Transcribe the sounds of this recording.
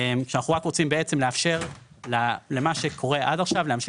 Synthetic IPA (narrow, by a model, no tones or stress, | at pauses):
emkʃeanaχuʁakʁot͡simbeet͡se̞mleafʃe̞ʁ | lalemaʃe̞kʰo̞ʁe̞ʔadaχʃavleamʃ